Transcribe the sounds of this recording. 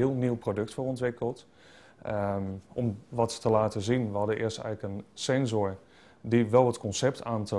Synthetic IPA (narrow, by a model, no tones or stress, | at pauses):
ɪəlˠniwprodɵktfərɔntʋɪkəlˠt | ʔɔmʋɑtːəlaːtəzinʋəɦɑdəɪ̰əstɛ̰jɣləkənsɛnzoɹ | diʋɛlˠɦətkɔnsɛp̚tʰaːntə